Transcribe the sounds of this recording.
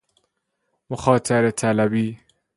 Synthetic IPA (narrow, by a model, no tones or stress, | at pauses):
moxɒːt̪ʰaɾet̪ʰælæbiː